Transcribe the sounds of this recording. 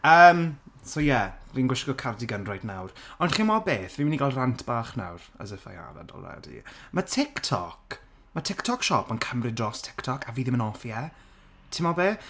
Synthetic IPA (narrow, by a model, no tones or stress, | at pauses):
əːmsojɛrinɡwɪʃɡɔkʰardiɡənrɔjdnawrɔndχimɔbeːθvimɪniɡalˠrantʰb̥aːχna̰wrə̰zəfa̰jha̰va̰dɔ̰lˠɛ̰dḭmətʰɪktʰɔ̰k | mətʰɪktʰɔkʃɔpʰənkʰəmrɪdrɔstʰɪ̥ktʰɔkʰaviːðɪmənɔfjɛ | tʰɪmɔbeː